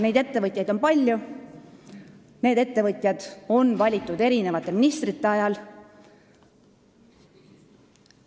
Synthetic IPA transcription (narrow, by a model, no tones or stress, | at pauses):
ne̞jd̪̥e̞t̪ːe̞vɤt̪ʲˑjɑjd̪o̞npɑlʲːju | ne̞ːd̪e̞t̪ːe̞vɤt̪ʲˑjɑd̪̥o̞nvɑlʲit̪ˑːud̪e̞ɾine̞vɑt̪ːˑe̞minist̪rit̪ˑːe̞ɑjɑl